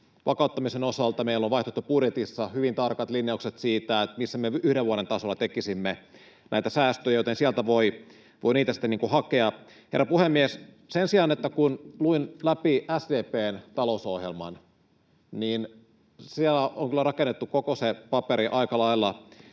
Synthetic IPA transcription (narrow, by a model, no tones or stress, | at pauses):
ʋʔɑ̰kɑˑut̪ːɑmisenosɑlt̪ɑmeilːoʋʋɑˑiht̪ot̪ːupudjet̪isːɑhyʋint̪ɑrkɑt̪linjɑukset̪siːt̪æet̪misːæmeyhdeʋuoɾent̪ɑsolːɑt̪ekisimːe | nʔæ̰it̪æsæːst̪øjæjot̪ensiælt̪æʋoi | ʋoiniːt̪æsi̥t̪ːeniːŋkuhɑkeɑ | herːɑpuhemːies | sensiɑnet̪ːækunluinlæpiʔæsdeːpeːnt̪ɑlousohjelmɑ̰n | niːn | sielːæoŋkylːærɑkenːet̪ːukokosepɑpeɾiʔɑikɑlɑilːɑ